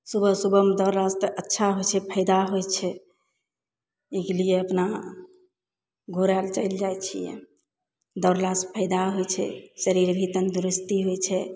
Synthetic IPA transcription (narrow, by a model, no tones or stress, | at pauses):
subʱəsubəmed̪ɔɾlast̪əʔətːʃʰaɦojt͡ʃʰɛpʰəɪd̪aɦojt͡ʃʰɛ | eɡlijeəpna | ɡʱoɾalt͡ʃəɪld͡ʒajt͡ʃʰijɛ̰̃ | d̪ɔɾlaspʰəɪd̪aɦojt͡ʃʰɛ̰səɾiɾbʱit̪ənd̪ɾist̪iɦojt͡ʃʰɛ